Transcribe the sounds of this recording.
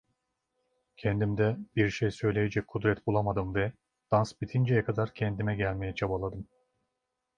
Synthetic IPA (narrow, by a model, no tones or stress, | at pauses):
cʰɛnd̪imd̪ɛbiɾʃejsø̞jlʲe̞jɛd͡ʒɛc̚kʰud̪ɾɛt̪bulˠamad̪ɯmvɛ | d̪̥ansbit̪ʰind͡ʒɛjɛkʰad̪aɾcʰɛnd̪imɛɟælʲmejɛt͡ʃʰabalˠad̪ɯm